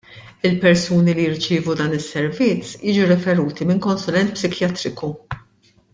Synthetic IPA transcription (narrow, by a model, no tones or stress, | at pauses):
ɪlpɛɾsuːnilijɪɾt͡ʃɪːvud̪ɐːnɪsːɛɾvɪt͡sːjiːd͡ʒuɾɛfɛɾuːt̪imɪŋkɔnsʊlɛnt̪̚psɪkjɐt̪ɾɪku